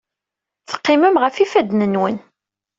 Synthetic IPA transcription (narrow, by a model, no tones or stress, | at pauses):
θə̥qːɪməmʁəfifæd̪nənwən